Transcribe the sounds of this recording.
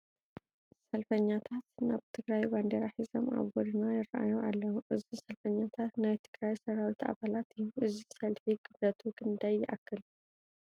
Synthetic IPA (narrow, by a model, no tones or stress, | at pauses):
sɐlfəɲːat̪ʰat̪ɨnabt̪ʰɨɡɾajband̪eɾaħizɐmʔa̰βɔɾɨnajɪraʔa̰joʔalːɐhuʔɨzisɐlfəɲːat̪ʰat̪najt̪ʰɨɡ̥ɾajsɐɾawit̪ʰa̰βalat̪ʰɨjuʔɨzisɐlfiɡʼɨbɐt̪ʰuɡʼɨnd̪ajːɪʔakːɨl